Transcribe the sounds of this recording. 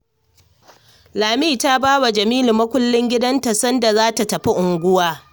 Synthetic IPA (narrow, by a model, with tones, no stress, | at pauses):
laː˨miː˦˨ta˦baː˦wa˨d͡ʒɐ˨miː˦lu˨mːɐ˦kʷʊ˦lːɪ˦ŋɡʲɪ˦dɐ˦nta˨sɐ˦nda˨zaː˦ta˨tɐ˨ɸi˦ʔʊ˨ŋɡʷʊ˦waː˦